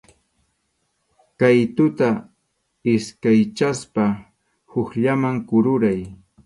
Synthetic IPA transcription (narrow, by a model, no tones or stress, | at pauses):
kajt̪ʊt̪a | ɪskajt͡ʃaspa | hʊxʎamaŋkʊɾʊɾaj